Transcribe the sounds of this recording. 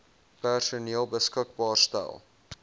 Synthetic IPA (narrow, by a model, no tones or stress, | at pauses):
pærsuniəlˠbəskək̚bɑːrstæ̰lˠ